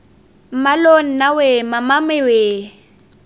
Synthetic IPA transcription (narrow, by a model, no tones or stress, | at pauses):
m̩malon̩nawemamamɪwe